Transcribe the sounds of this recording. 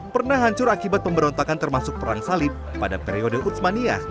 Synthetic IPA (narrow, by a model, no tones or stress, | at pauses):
pərnahɦaɲt͡ʃʊɾakibat̪̚pəmbəɾɔnt̪akant̪ərmasʊk̚pəɾaŋsalɪp̚ːadapɛɾiɔdəʔut̪mania̰